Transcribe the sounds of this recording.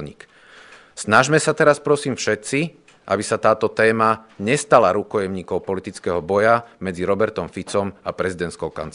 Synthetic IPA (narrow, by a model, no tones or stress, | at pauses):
ɲḭːk | snaʒmɛsat̪ɛɾaspɾɔsiːmfʃɛt̪t͡si | ʔa̰bisat̪aːt̪ɔt̪ɛːmaɲɛst̪alaɾukɔjɛmɲiːkɔʊpɔlit̪it͡skɛɦɔbɔjamɛd͡ziɾɔbɛɾt̪ɔmfit͡sɔmapɾɛzid̪ɛnt̪kɔʊka̰nt͡s